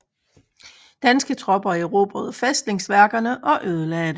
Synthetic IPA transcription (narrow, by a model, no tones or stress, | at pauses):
d̥ænsɡ̥ət͡sʰʁɒ̽b̥ɐieʁo̝̰b̥ʁɐðˠfesd̥le̝ŋsʋæɐɡ̥ɐnəʔɒ̽ʔøːð̞ˠəlɛːd̥ə